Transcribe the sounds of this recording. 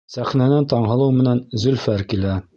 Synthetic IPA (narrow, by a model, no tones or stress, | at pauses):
sæχnænænt̪ɑɴɦɤ̆lˠɤwmɘ̆nænzɵ̆lfæɾkilæ